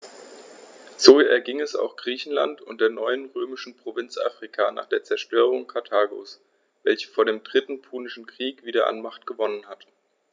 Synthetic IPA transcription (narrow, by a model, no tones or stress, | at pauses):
z̥oːɛɐɡɪŋɛsa̰ʊxɡ̥ʁiːçn̩la̰ntʊ̰nt̚d̥eːɐnɔʏənʁøːmɪʃn̩pʁ̥ovɪnt͡sʔa̰ːfʁ̥ikʰana̰ːχd̥eːɐt͡sɛɐʃtøːʁ̞ʊŋkʰaɐtʰaːɡo̰ːs | vɛlçə̥foːɐɾeːmdʁɪtn̩pʰuːnɪʃn̩kʁ̥iːkv̥iːdɐʔa̰nmaχtɡ̥əvɔnənɦat